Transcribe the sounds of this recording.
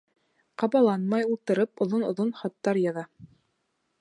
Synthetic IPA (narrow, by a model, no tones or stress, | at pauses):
qɑβɑlˠɑnmɑjulˠt̪ɤ̆ɾɤpŏðonŏ̰ðonχɑt̪ːɑɾjɑðɑ